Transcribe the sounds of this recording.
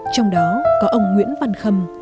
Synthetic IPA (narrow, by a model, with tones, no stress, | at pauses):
t͡ɕɔ˧wŋ͡mɗɔ˨˦kɔ˨˦ʔə˧wŋ͡mŋwḭ˧˥ənva˧nxə˧m